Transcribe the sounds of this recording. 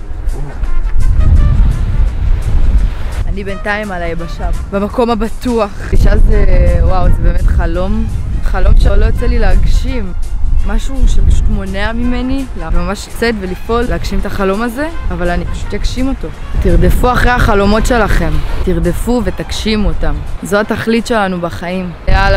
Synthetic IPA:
anibentaimalajebaʃambemako̞mabatuaχiʃazewawzebeme̞tχalo̞mχalo̞mʃelo̞jot͡selileaɡʃimːaʃuʃepaʃu̥tmo̞neamime̞nilavmamaʃt͡setvelifʔo̞lleaɡʃimetaχalo̞maze̞avalanipḁʃu̥tjakʃimo̞to̞ | tiʁde̞fuaχʁeaχalo̞mo̞tʃe̞laχe̞mtiʁd̪e̞fuve̞takʃimotamzo̞ataχlitʃe̞lanubaχaimleala

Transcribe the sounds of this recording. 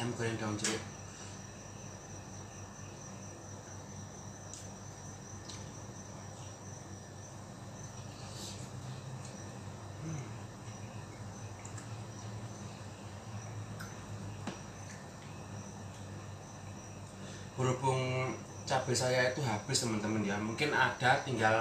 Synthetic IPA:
ɛmpəɾɛŋdaŋt͡ʃɾɪʔ | m | buɾupʊŋ | t͡ʃab̥ɪ̤sajait̪uɦab̥ɪ̤st̪əmənt̪əməndiamuŋkɪnaɖ̥a̤t̪iŋɡal

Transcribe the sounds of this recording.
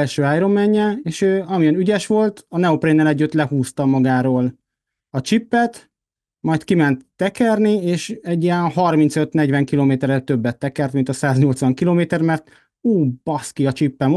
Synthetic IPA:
ɛlʃøːaːjɾo̞mːɛɲːɛeːʃøːɒmiɛnyɟɛʃʋo̞lt̪ɒnɛoprenːɛlɛɟːyt̪ːlɛhuːst̪ɒmɒɡaːɾoːl | ɒt͡ʃipːɛt̪ | mɒjt̪kimɛnt̪ːɛkɛrnieːʃɛɟːiɛnhɒrmint̪sø̞t̪nɛɟvɛŋkiloːmeːt̪ɛɾɛt̪ø̞bːɛt̪ːɛkɛrt̪mint̪ɒsaːzɲo̞lt̪sʋɒŋkiloːmeːt̪ɛrmɛrt̪ | uːb̥ɒskiɒt͡ʃipːɛm

